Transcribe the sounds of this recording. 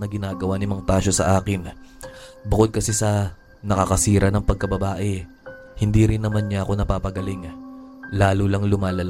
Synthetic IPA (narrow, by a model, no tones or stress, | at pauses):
nɐɡɪnaːɡɐwanɪmɐŋt̪aːʃosɐʔaːkɪn | bʊko̞d̪̚kɐsɛsɐ | nɐkɐkɐsiːɾɐnɐŋpɐɡ̚kɐbɐbaːʔɛ | hɪnd̪iɾɪnːɐmanɲɐʔɐko̞nɐpaːpɐɡɐliŋ | laːlulɐŋlʊmaːlɐl